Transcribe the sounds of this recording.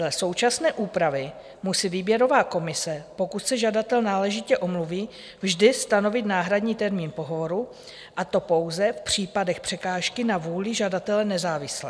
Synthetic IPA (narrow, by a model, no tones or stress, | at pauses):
lɛso̞wt͡ʃasnɛːʔuːpɾavɪ | musiːviːbjɛɾo̞vaːko̞mɪsɛpo̞kut̪sɛʒadat̪ɛlnaːlɛʒɪcɛʔo̞mluviː | vʒdɪst̪ano̞vɪt̪naːɦɾadɲiːt̪ɛɾmiːnpo̞ɦovoɾu | ʔat̪o̞po̞wzɛfpr̝̥iːpadɛxpr̥ɛkaːʃkɪnavuːlɪʒadat̪ɛlɛnɛzaːvɪslɛː